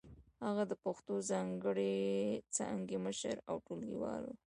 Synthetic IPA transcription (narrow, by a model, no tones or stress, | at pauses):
haɣad̪əpaxt̪ozɑŋɡəɽet͡sa̰ŋɡeməʃəɾa̰wʈolɡiwɑ̰lo